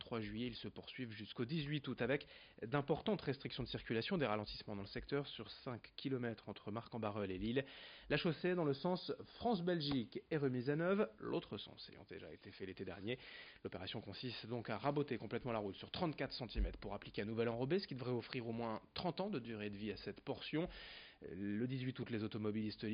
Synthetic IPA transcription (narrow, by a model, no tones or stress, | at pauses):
t̪χwaʒɥijeilsəpuʁsɥivʒyskod̪izɥit̪ut̪avɛk | d̪ɛ̃pɔʁt̪ɑ̃t̪ʁɛst̪χiksjɔ̃d̪əsiʁkʲylasjɔ̃d̪eʁalɑ̃t̪i̥smɑ̃d̪ɑ̃ləsɛk̚t̪œʁsyʁsɛ̃kkʲːilɔmɛt̪χɑ̃t̪χəmaʁkɑ̃baʁœlelillaʃosed̪ɑ̃ləsɑ̃sfχɑ̃sbɛlʒikɛʁəmizanœvʁlo̰t̪χəsɑ̰̃sḛjɑ̰̃d̪ḛʒa̰ḛt̪efɛlet̪ed̪ɛ̰ʁnjelɔpeʁasjɔ̃kɔ̃sist̪d̪ɔ̃kaʁabot̪ekɔ̃plɛt̪mɑ̃laʁut̪syʁt̪χɑ̃t̪kat̪χəsɑ̃t̪imɛt̪χpuʁaplikʲeɛ̃nuvɛlɑ̃ʁɔbesə̥kʲid̪əvʁɛɔfχiʁomwɛ̃t̪χɑ̃t̪ɑ̃d̪əd̪yʁed̪əviasɛt̪pɔʁsjɔ̃ | ləd̪izɥit̪ut̪lezot̪ɔmɔbilist̪